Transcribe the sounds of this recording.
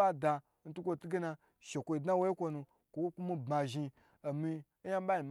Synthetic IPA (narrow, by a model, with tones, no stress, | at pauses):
a˦da˧ | n̩˦tu˦kʷo˧˨tu˦ɡe˦na˧ | ʃe˨kʷo˧i˧˨dna˦wo˦i˦kʷo˧nu˧ | kʷo˨wo˦ku˦mi˦˧ba˧ʒi˧ | o˨mi˧˦ | ja˦m˦ba˦i˨m